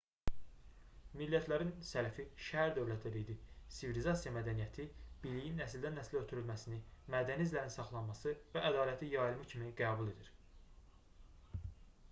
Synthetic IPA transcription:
milːæt̪ʰlæɾinsælæfiʃæhæɾd̪ø̞vlæt̪ʰːæd̪id̪isivilizɑsijɑmæd̪ænijæt̪ʰib̥ilijinːæsild̪ænːæsløt̪ʰyɾylmæsinimæd̪ænizlæɾinsɑχlˠɑnmɑsɯvæʔæd̪ɑːlæt̪ʰijɑjɾɯmɯcʰimiɡæːbulˠe̞d̪iɾ

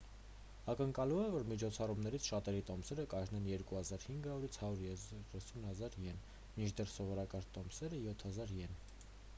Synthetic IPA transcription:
ɑkəŋkɑlumɛvɔɾmit͡ʃʰɔt͡sʰɑrumnɛɾit͡sʰʃɑt̪ɛɾit̪ɔmsɛɾəkɑʒnɛnjɛɾkuhɑzɑɾhiŋɡɑuɾit͡sʰhɑjuɾrɛsunhɑzɑɾjɛn | mit͡ʃʰd̪ɛrsɔvɔɾɑkɑɾt̪ɔmsɛɾəjɔt̪ʰhɑzɑɾjɛn

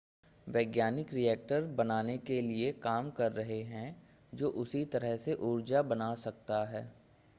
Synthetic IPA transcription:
ʋɛːɡjaːnɪkɾiɛːk̚ʈəɾbɐnaːnekeliekaːmkɐɾːɐɦeɦɛ̃ | d͡ʒoːʔʊsit̪ɐɾəɦseʔʊɾd͡ʒabɐnaːsɐkt̪aɦɛː

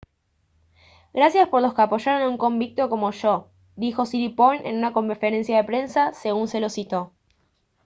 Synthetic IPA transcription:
ɡɾasjaspo̞ɾlo̞skeapo̞ʃaɾo̞nuŋko̞mbik̚t̪o̞ko̞mo̞ʃo | d̪ixo̞siɾiponʔe̞̰nunako̞mfeɾe̞nsjaðe̞pɾe̞nsase̞ɣunse̞lo̞sit̪o̞

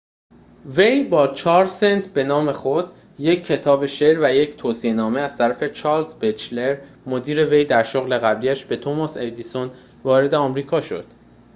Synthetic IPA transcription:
ve̞jbɒːt͡ʃʰɒːɾsent̪ʰbe̞nɒːme̞xo̞d̪ | je̞cʰːe̞t̪ʰɒːbe̞ʃe̞ɾvæje̞cʰt̪ʰoːsienɒːme̞æz̥t̪ʰæɾæfe̞t͡ʃʰɒːlzbet͡ʃle̞ɾ | mod̪iːɾe̞ve̞jd̪æɾʃoɣle̞ɣæbliːæʃbe̞t̪ʰomɒsed̪iːson | vɒːɾe̞d̪eɒːmɾiːkʰɒːʃo̞̰d̪̥

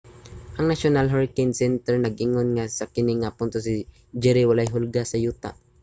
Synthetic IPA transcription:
ʔɐŋnaʃonalɦaɹkɛnsɛnt̪ɛɹnɐɡ̚ʔɪŋonŋasakɪnɪŋapʊnt̪os̬ɪ | d͡ʒɛɾɪwalajɦʊlɡasɐjuːt̪a̰ʔ

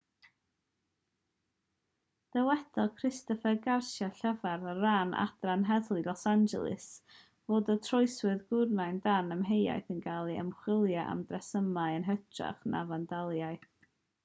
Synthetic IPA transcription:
d̥ɛwɛdɔkʰrɪstɔfɛɡarsjaɬɛvaɾəranʔa̰d̥ranɦɛðlˠilˠɔsand͡ʒɛ̰lˠɨ̰s | v̥oːdətʰrɔɨswɨðɡʊrnajndanəmɦeja̰jθənɡalˠiə̰mχwɪlˠjaʔa̰mdrɛsəmaɨənɦətʰra̰χnʔa̰vandalˠjajθ

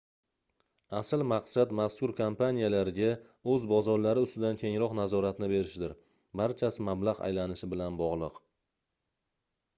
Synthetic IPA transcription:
asɪlmaqsad̪maskʊɾkʰompanijalaɾɪɡʲa | ɵzbɒzɒɾlaɾɪʊst̪ɪd̪ankʲʰe̞ŋɾɒqnazɒɾat̪nɪbe̞ɾɪʃd̪ɪɾ | baɾt͡ʃʰasɪmablaʁa̰jlanɪʃɪbɪlanbɒʁlˠɨq

